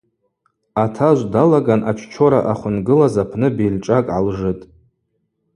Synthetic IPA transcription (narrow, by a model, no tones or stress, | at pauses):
atʰaʒʷdalaɡanʔat͡ʃʷʰt͡ʃʰo̞ɾaʔaχʷʊnɡɨlazapʰnɨbilʈ͡ʂʼakʼʕalʐɨtʼ